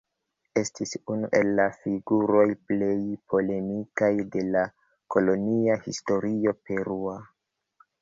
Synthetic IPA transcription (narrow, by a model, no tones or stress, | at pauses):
e̞stisunuʔe̞lːafiɡuɾo̞jple̞jpʰo̞le̞mikajde̞la | ko̞lo̞niahisto̞ɾio̞pe̞ɾua